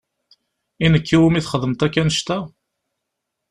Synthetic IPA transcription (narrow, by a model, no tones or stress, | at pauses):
inəkʰːiwəmiθχəðˤəmt̪ækːænəʃt̪æ